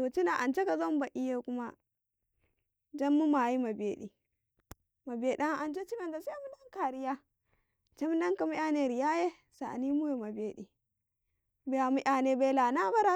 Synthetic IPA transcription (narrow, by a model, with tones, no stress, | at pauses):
o˨t͡ʃi˦na˨ʔa˨nt͡ʃe˦ka˨zo˦m˦ba˨ʔi˦je˦ku˦ma˦ | d͡ʒa˦mːu˦ma˨ji˦ma˨beː˨˦ɗḭ˨ | ma˨be˨ɗa˦ŋʔa˨nt͡ʃe˦t͡ʃi˦ma˦˨nda˨se˦a˦mu˦na˦ŋka˨ɾi˦ja˦ | t͡ʃe˦mu˦na˦ŋka˨mi˦ʔa˨ne˦˨ɾi˨ja˦je˦ | sa̰˨ni˦mu˦we˨ma˨beː˦ɗḭ˨ | be˦a˨mi˦ʔa˨ne˦be˦la˨na˦ba˦ɾa˦